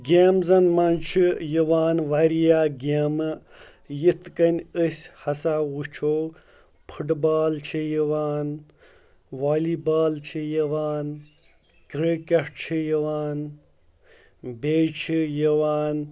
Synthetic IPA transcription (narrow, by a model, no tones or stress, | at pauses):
ɡʲeːmzɐnmɐnt͡ʃʰijiʋaːnʋɐɾijaːɡʲeːmɨ | jit̪kɐnʲəsʲhɐsawut͡ʃʰoː | pʰɨʈbaːlt͡ʃʰijiʋaːn | ʋaːlibaːlt͡ʃʰijɐʋaːn | kɾikʲeʈt͡ʃʰijiʋaːn | bʲeːt͡ʃʰijiʋaːn